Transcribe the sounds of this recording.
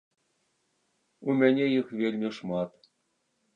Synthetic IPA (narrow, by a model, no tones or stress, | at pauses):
umʲenʲejɯχʋʲelʲmʲɘ̆ʂmɑt̪